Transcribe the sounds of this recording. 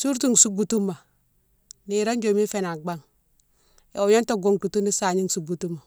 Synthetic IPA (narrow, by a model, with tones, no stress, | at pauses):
su˦ɾtu˦ŋ˨su˦ɡu˨tu˦mːa˨ | ni˨ɾa˦nd͡ʒo˨mi˦fe˦˨na˨ɡ͡ba˦ŋ | ḛ˨o˨ɲo˦nto˦ɡo˨ŋku˨tu˦ni˦sa˨ɲi˦ŋ˨su˨ɡu˨tu˦ma˨